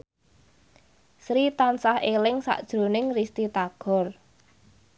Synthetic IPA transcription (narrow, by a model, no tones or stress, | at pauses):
sɾit̪ansahelɪŋsa̰ʔd̥ʒ̥ɾo̤nɪŋrist̪it̪aɡ̥ɔ̤r